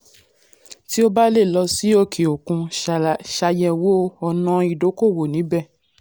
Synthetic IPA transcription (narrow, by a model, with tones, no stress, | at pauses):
ti˦o˦ba˦le˦˨lɔ˧si˨˦o˦˨kʰe˨o˨kũ˧ʃa˧jɛ̃˧wo˦ɔ˧nã˧i˨do˨˦ko˦˨wo˨nĩ˨˦bɛ˦˨